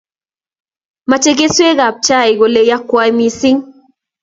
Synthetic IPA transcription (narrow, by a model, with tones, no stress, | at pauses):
ma˨t͡ʃe˦ɡe˦swe˦ɣa˨p̚t͡ʃa˦˨i˨ɣo˨le˦ja˦kwa˦jmi˨si˦ŋ